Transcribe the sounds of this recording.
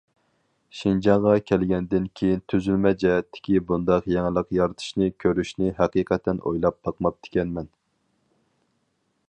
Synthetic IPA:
ʃind͡ʒɑɴʁɑkʲʰɛlɡʲɛnd̪ɪnkʲʰejint̪ʰyzylmɛd͡ʒɛɦɛt̪ʰːɪ̥kʲibund̪ɑqjɛŋlˠəqjɑɾt̪ʰɨ̥ʃnɨkʲʰøɾyʃnɪɦæqiːqʰɛt̪ʰɛnʔo̰jlˠɑp̚t̪ʰɑqmɑp̚t̪ʰɪ̥kʲɛnmɛn

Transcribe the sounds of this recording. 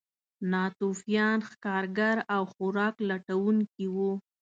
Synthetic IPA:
nɑt̪ufjɑnxkɑɾɡaɾawxʊɾɑklaʈawuŋkiwu

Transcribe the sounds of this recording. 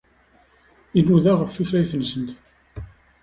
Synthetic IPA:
inːuðæʁəfθuθɾæjθənsənt̪

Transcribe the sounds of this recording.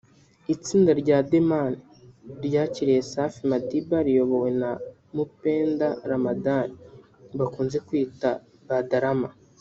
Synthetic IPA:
it͡siːndaɾɟaːdemani | ɾɟaːciɾije̞safimadibaɾijo̞βo̞we̞na | mupe̞ːndaɾamadani | βakuːnze̞kwiːta | βadaɾama

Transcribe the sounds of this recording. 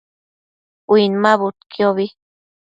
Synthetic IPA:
winmaβut̪̚kioβi

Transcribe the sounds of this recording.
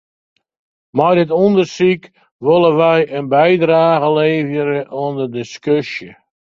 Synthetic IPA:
mardɪtundərsik | ʋolˠəʋɛjʔənbɛjdraːɣəleːvjəɾəʔɔndədɪskøsjə

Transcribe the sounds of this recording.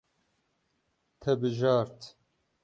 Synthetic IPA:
t̪ʰɛbɨʒɑːɾt̪

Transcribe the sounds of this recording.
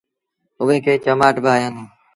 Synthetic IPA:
ʊʋẽːkʰeːt͡ʃəmaːʈbʱaːjãːnuː

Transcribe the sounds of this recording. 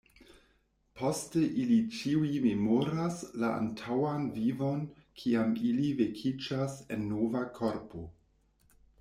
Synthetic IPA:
pʰo̞steʔilit͡ʃiuimemoɾaslaʔa̰ntʰawanvivo̞nkʰiamilivekʰid͡ʒase̞nːovakʰo̞ɾpʰo̞

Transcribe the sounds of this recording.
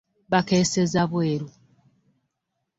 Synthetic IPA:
βakesezaβweːɾu

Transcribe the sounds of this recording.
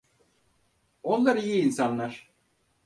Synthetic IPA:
o̞nlˠaɾijiːnsanlˠaɾ̥

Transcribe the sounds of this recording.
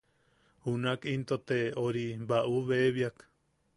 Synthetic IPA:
hunakint̪ot̪eoɾibaʔuβeβjak

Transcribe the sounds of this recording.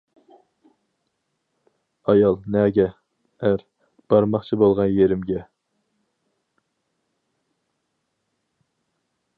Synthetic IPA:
ɑjɑlˠnɛːɡʲɛ | æɾ | b̥ɑɾmɑχt͡ʃʰibolˠʁɑnjeɾɪmɡʲɛ

